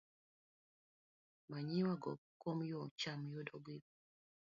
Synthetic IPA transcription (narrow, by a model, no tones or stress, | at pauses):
maɲiwaɡɔ̰komjɔt͡ʃamjodɔɡi